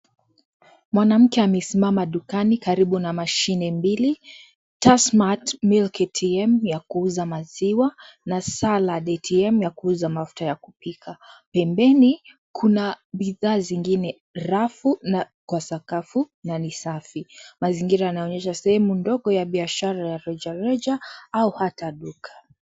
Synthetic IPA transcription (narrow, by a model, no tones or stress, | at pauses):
mwanam̩kɛamɛsimamaɗukanikaɾiɓunamaʃinɛmbili | tasmatmilkɛtʰiɛmjakuuzamaziwanasalaɗɛtʰiɛmjakuuzamafu̥tajaku̥pikʰapɛmbɛni | kʰunaɓiðaːziŋɡinɛ | ɾafuna | kwasakafu | nanisafimaziŋɡiɾajanaɔɲɛʃasɛhɛmundɔɠɔjaɓiaʃaɾajaɾɛd͡ʒaɾɛd͡ʒaauhataɗukʰḁ